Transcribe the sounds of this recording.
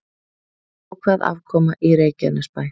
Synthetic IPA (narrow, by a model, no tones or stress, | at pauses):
ɔɣkʰvaːða̰vkʰɔːmaʔiɾeːjcɛnaspaːj